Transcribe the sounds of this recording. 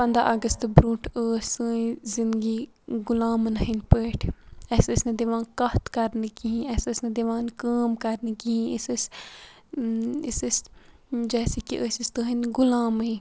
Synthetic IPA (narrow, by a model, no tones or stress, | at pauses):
pɐ̃nd̪a̰ʔɐɡəst̪bɾũːʈʰəːsəːĩzind̪ɡi | ɡʊlaːmnɐɦinpəːʈʰɛːsəsnɐd̪iʋãːnkɐht̪kɐɾnɨkiɦĩɛːsəsnɐd̪iʋãːnkaːmkɐɾnɨkiĩisis | isis | d͡ʒɛːsekiʔəːsist̪uɦinɡʊlaːmĩ